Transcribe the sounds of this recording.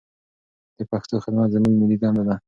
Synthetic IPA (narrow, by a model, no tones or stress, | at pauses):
d̪̥əpaxt̪oxad̪mat̪zamilmɪlid̪ɑnd̪ad̪a